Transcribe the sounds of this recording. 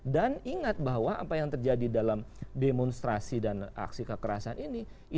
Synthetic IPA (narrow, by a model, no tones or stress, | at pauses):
daniŋat̪̚baɦwaʔapajaŋt̪ərd͡ʒadidalamdemɔnst̪ɾasidana̰ksikəkəɾasanini | i